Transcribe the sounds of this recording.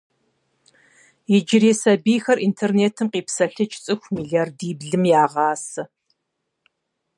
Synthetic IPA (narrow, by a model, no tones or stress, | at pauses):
jɪd͡ʒɪɾeːsɐbiːxɐrʔiːntʰerneːtʰɨmqiːpsɐɬɨt͡ʃʼt͡sʼɨxʷmiːɮiardiːbɮɨmjaːʁɑːsɐ